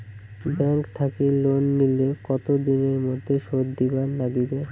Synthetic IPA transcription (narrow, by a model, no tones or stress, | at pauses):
bɛŋkt̪ʰakilonːilekɔt̪od̪ineɾmod̪ʱːeʃod̪d̪ibaɾlaɡibe